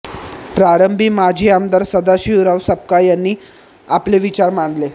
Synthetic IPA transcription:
pɾaɾəmbʱiːmad͡ʑʱiːamd̪aɾsəd̪aɕiːuɾaʋsəp̚kajanːiː | apleʋit͡ɕaɾmaɳle

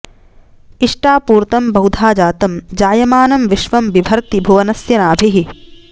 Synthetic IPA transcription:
iʂʈaːpuːɾt̪ɐmbɐwd̪ʱaːd͡ʒaːt̪ɐmd͡ʒaːjɐmaːnɐmʋiʃʋɐmʋibʱɐɾt̪ibʱuʋɐnɐsjɐnaːbʱiɦi

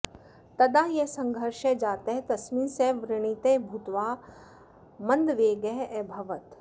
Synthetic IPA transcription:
t̪ɐd̪aːjesɐ̃ŋɡʱəɾʃed͡ʒaːt̪eɦt̪ɐsmĩːseʋɾɪɽ̃it̪ebʱut̪ʋaː | mɐ̃nd̪ʋeːɡeɦbʱɐʋət̪

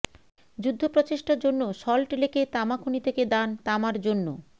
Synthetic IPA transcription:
d͡ʑud̪ʱːopɾot͡ɕeʃʈaɾd͡ʑonːoʃɔlʈeleket̪amakʰunit̪ʰeked̪ant̪amaɾd͡ʑonːo̰

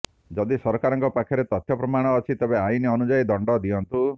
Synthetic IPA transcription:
d͡ʒɔd̪isɔɾkaɾɔŋkɔpakʰjɔɾet̪ɔt̪ʰjɔpɾɔmaɽ̃ɔːt͡ʃʰit̪ebeainiɔnud͡ʒaid̪ɔɳɖɔd̪iɔnt̪u

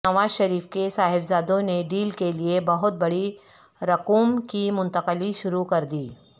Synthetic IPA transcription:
ɐʋaːzʃɐɾiːfkesaːɦɪbzaːd̪õneɖiːlkeliebɐɦʊt̪̚bɐɽi | ɾɐquːmkimʊ̃nt̪ɐqəliʃʊɾukɐɾd̪iː

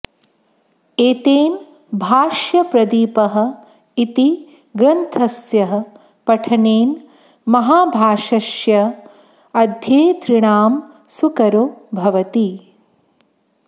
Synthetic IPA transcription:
eːt̪eːn | bʱaːʃjɐpɾɐd̪iːpɐɦɐ̆ | it̪i | ɡɾɐnt̪ʰɐsjɐɦɐ̆ | pɐʈʰɐneːn | mɐɦaːbʱaːʂɐʃjɐ | ɐd̪ʱjeːt̪ɾɪɳaːm | sukɐɾobʱɐʋɐt̪i

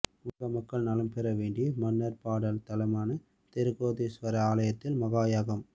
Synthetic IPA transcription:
ʊɣɐmɐkːɐɭnaːlɯmpɛɾɐʋeːɳɖɪjɐmɐnːɐɾpaːɽɐlt̪ɐlɐmaːnɐ | t̪ɛɾɯɣoːðisʋɐɾɐaːlɐjɐt̪ːɪlmɐɣaːjaːɣɐm

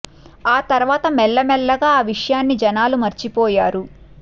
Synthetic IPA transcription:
aːt̪ɐɾʋaːt̪ɐmɛlːɐmɛɭːɐɡaːʋiʂɐjaːnːid͡ʒɐnaːlumɐɾt͡ʃipɔːjaːɾu

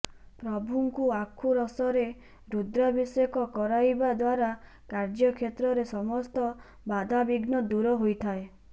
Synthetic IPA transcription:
pɾɔbʱuŋkuakʰuɾɔsɔɾe | ɾud̪ɾabisɔɔkɔkɔɾajbad̪waɾa | kaɾd͡ʒɔkʰjet̪ɾɔɾesɔmɔst̪ɔ | bad̪ʱabiɡnɔd̪uɾɔɦojt̪ʰae

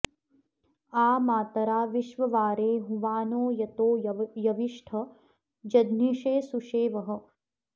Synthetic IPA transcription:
aːmaːt̪ɐɾaːʋiʃʋɐʋaːɾeːɦũʋaːnoːjɐt̪oːjɐʋiʂʈʰɐ | d͡ʒɐd̪niʃeːsuʃeːʋɐɦɐ̆

